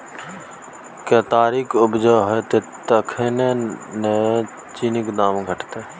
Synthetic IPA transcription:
keːt̪aːɾikʊbd͡ʒaːɦet̪et̪əkʰenene | t͡ʃinɪkd̪aːmɡʱəʈt̪eː

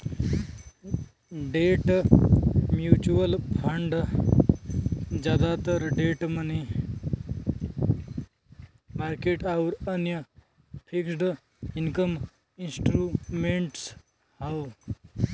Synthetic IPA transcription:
ɖeːʈ | mjut͡ʃuʋəlpʰɐɳɖ | d͡ʒjaːd̪at̪əɾɖeːʈmɐni | maːɾkeːʈauɾɐnjə | pʰiksɖ | inkəm | insʈɾumeɳʈs | hɐw

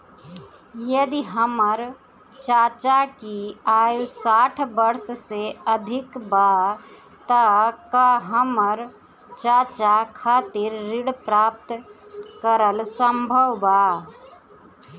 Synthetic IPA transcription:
jəd̪iɦəməɾ | t͡ʃaːt͡ʃakiaːjusaːʈʰbəɾsseəd̪ʱɪkba | t̪əkaɦəməɾ | t͡ʃat͡ʃakʰaːt̪iɾːɪɽpɾap̚t̪kəɾəlsəmbʱəʋba

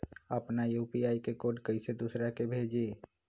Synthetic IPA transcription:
əpnajupiaikekoɖkəɪsed̪usɾakebʱed͡ʒe

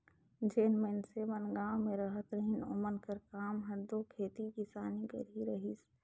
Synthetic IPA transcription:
d͡ʒeːnmensemənɡãːmẽɾəɦət̪ɾəɦino̰mənkəɾkaːmɦəd̪okʰeːt̪ikisaːniɡə̰ɾiɾəɦis

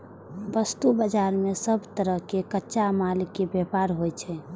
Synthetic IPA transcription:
bəst̪ubəd͡ʒaɾmesəbʱt̪əɾəɦkekətːʃamalikːebepaɾɦojt͡ʃʰɛ

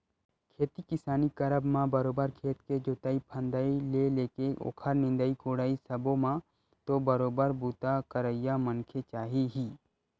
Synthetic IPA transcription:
kʰeːt̪ikɪsaːnikəɾəbmãbəɾoːbəɾkʰeːt̪ked͡ʒoːt̪aːipʰə̃nd̪aileleːkeʔo̰ːkʰəɾnɪ̃nd̪əikoːɽaːisəbõmã | t̪obəɾoːbəɾbuːt̪akəɾəɪjamənkʰet͡ʃaːɦiɦiː

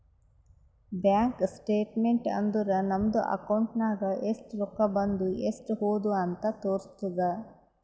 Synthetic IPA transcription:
bjaːŋksʈeːʈmeɳʈɐ̰nd̪uɾɐnɐmɐd̪uʔɐ̰kɐwɳʈnaːɡɐʔesʈɾɔkːɐbɐnd̪uesʈɦoːd̪uɐnt̪ɐt̪oːɾst̪ud̪ɐ

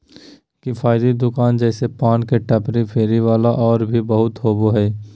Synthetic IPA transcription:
kifʰaːɪd̪id̪ʊkaːnd͡ʒɛːsepaːnkeʈɐpɾepʰeːɾiʋaːlaʔɔːɾbʱibɐɦʊt̪ɦoːboɦɛː

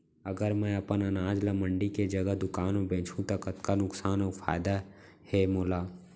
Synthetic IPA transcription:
əɡəɾmɛ̃ɐpənɐnaːd͡ʒlɐməɳɖiked͡ʒəɡəɦd̪ʊkaːnõbẽːt͡ʃʰũt̪ɐkət̪kanʊksaːnɔːɾfʰa̰ːɪd̪a | hɛmoːlaː

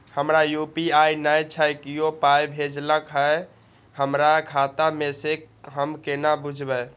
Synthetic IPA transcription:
həmɾajupiajnəjt͡ʃʰəjkijopajbʱed͡ʒləkɦəe | həmɾakʰat̪amese | ɦəmkenabud͡ʒʱbə

